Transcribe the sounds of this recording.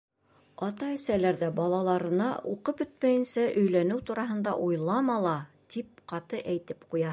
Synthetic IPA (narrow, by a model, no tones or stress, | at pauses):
ɑt̪ɑɘ̆sælæɾðæbɑlˠɑlˠɑɾɤ̆nɑʔuqɤpɵt̪̚mæjɘ̆nsæʔɵ̆jlænɘwt̪uɾɑɦɤ̆nd̪ɑ̰ʔujlˠɑmɑlˠɑ | t̪ip̚qɑt̪ɤʔæjt̪ɘpqujɑ